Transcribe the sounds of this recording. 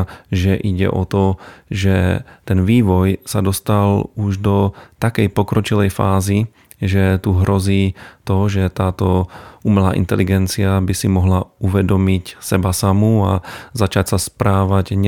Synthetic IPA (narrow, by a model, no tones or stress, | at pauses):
ʒɛʔiɟɛ̰ʔɔt̪ɔʒɛt̪ɛnʋiːʋɔjsad̪ɔst̪aluʒd̪ɔt̪akɛjpɔkɾɔt͡ʃilɛjfaːzi | ʒɛt̪uɦɾɔziːt̪ɔʒɛt̪aːt̪ɔumɛlaːʔḭnt̪ɛliɡɛnt͡siabisimɔɦlauʋɛd̪ɔmicsɛbasamua̰zat͡ʃacsaspɾaːʋaɟɲɛ